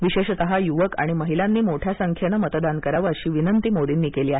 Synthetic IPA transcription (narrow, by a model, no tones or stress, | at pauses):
ʋiɕeɕt̪əɦajuʋəka̰ɽ̃iməɦilanːiːmoʈʰjasəŋkʰjənəmət̪əd̪ankəɾaʋəəɕiːʋinənt̪iːmoɽiːnːiːkeliːaɦe